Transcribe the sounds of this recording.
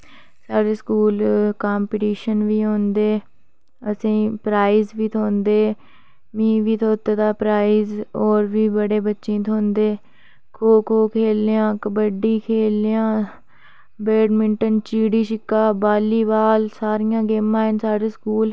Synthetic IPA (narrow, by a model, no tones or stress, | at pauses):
saːɖeːskuːlkaːmpɪʈiːʃənʋiːɦõːnd̪eː | əsĩːpɾaːiːzʋiːt̪ʰoːnd̪eː | mĩːʋiːt̪ʰoːt̪eːd̪aːpɾaːiːzoːɾʋiːbəɽeːbətːʃĩːt̪ʰoːnd̪eː | kʰoːkʰoːkʰeːljãːkəbəɖiːkʰeːljãː | beːɖmɪɳʈənt͡ʃiːɽiːʃɪkːaːbaːliːbaːlsaːɾɪjãːɡeːmãːɦənsaːɽeːskuːl